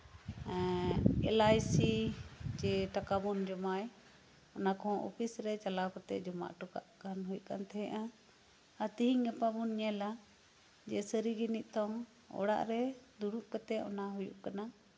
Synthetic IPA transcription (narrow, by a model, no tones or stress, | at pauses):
ɛ̃ɛ̰lajsit͡ʃɛʈakabund͡ʒɔmaj | ɔnakʰɔ̃ʔɔ̰pʰisɾɛt͡ʃalawkɔt̪ɛ̰d͡ʒɔma̰ʔʈuka̰ʔkanɦujkant̪ʰɛʔã | ət̪iɦiŋɛpabunɲɛla | d͡ʒɛsəɾiɡiniʔ̚ˀt̪ɔ̃ | ɔ̰ɽa̰ʔɾɛd̪uɾuʔkɔt̪ɛɔ̰naɦujṵʔkana